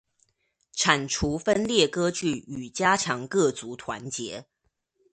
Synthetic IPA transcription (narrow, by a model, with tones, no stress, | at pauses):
ʈ͡ʂʰa˨˩nʈ͡ʂʰu˧˥fə˥nljɛ˥˩kɤ˥t͡ɕy˥˩y˨˩t͡ɕja˥ʈ͡ʂʰɑ˧˥ŋkɤ˥˩t͡su˧˥t̪ʰwa̰˧˥nt͡ɕjɛ˧˥˦